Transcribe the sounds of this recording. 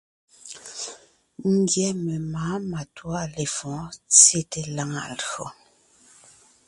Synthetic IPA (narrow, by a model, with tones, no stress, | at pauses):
ŋ̩˦ɡjɛ˦me˨maː˨˦ma˨twa˦˨le˨fɔ̃˨˦t͡sje˦˨te˨la˦ŋa̰˨lɰo˨